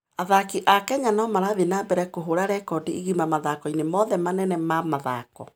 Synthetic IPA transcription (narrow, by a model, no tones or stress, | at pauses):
aðakiʔakɛɲanɔmaɾaðenabɛɾɛkoɦoɾaɾɛkɔdeiɣimamaðakɔinemɔðɛmanɛnɛmamaða̰kɔ̰